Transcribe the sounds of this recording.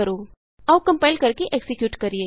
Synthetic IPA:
ɐɾoː | ɐʋkɐ̃mpaːɪlkɐɾkeʔeksɪkjuːʈkɐɾieː

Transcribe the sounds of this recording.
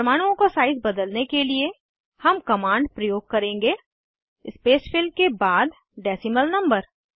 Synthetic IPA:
ɐmaːɽ̃uõkosaːɪzbɐd̪əlnekelie | hɐmkɐmãːɳɖpɾɐjoːɡ̚kɐɾẽːŋɡeː | ɪspeːsfʰɪlkebaːd̪ | ɖɛːsɪməlnɐ̃mbəɾ

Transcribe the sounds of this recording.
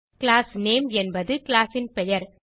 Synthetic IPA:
kɪlaːsneːmɛnbɐðɯklaːsɪnpɛjɐɾ

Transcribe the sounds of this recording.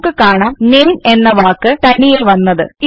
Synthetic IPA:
kːɨkaːɳaːmneːne̞nːɐʋaːkːɨʈ̪ɐnːijɐlʋɐnːɐðɨ̰i

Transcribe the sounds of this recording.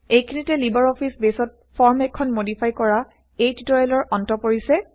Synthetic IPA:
ejkʰinitɛlibaɹɔpʰisbesɔt̚ | fʰɔɹmɛkʰːɔnmodipʰajkɔɹa | ejtitoɹalɔɹʔɔntɔpoɹisɛ

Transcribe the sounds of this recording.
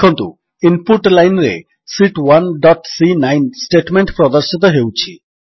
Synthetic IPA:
ont̪ṵ | impuʈlajnɾḛ | siʈwanɖɔʈsinajnsʈeʈmeɳʈpɾɔd̪aɾʃit̪̬oɦewt͡ɕʰi

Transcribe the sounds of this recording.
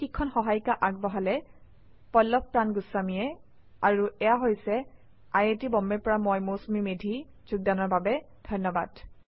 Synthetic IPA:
kikʰːɔnxɔɦajkaʔaɡ̚bɔɦalɛ | pɔlːɔp̚pɹanɡʊsːamijɛ | aɹuʔɛjaɦojsɛ | ajetibɔmːɛɹpɔɹamɔjmosmimedʱi | z̥uɡ̚danɔɹbabɛ | d̥ʱɔjnːɔba̰d̥

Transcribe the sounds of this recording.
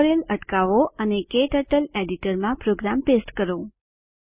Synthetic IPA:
ɾeləʈkaʋoənekeʈəʈəleɖiʈəɾmãpɾoɡɾampesʈkəɾo

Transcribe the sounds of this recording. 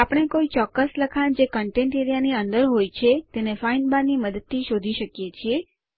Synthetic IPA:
apəɽ̃ekoit͡ʃɔkːəsləkʰand͡ʒekəɳʈẽɳʈeɾijaniənd̪əɾɦojt͡ʃʰet̪enefainbaniməd̪ət̪ːiʃod̪ʱiʃəkjet͡ʃʰie

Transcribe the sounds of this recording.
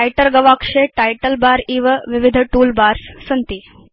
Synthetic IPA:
ajʈəɾɡəʋakʂeʈajʈəlbaɾiːʋʋiʋid̪ʱʈuːlbaɾssənt̪iː

